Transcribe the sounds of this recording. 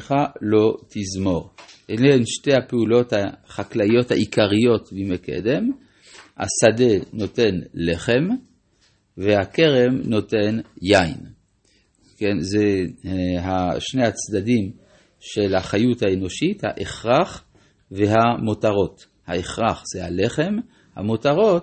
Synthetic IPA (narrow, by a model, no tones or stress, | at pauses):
χalo̞t̪ʰizmo̞ʁʔeneenʃtehapeulo̞t̪haχaklajo̞thaʔikaʁijo̞t̪bimekḛd̪em | ha̰sadeno̞te̞nleχe̞m | vehakeʁemno̞tenjaḭn | kenze | ɦaʃnehat͡sdadim | ʃelhaχajuthaeno̞ʃitha̰ʔeχʁaχ | veɦamotaʁo̞t | haeχʁaχz̥ehaleχe̞m | ha̰motaʁo̞t